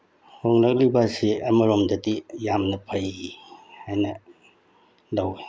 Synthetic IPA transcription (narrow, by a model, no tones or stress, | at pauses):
hoŋlak̚libasiɐmɐɾomdɐdijamnɐpʰɐjihajnɐ | lawi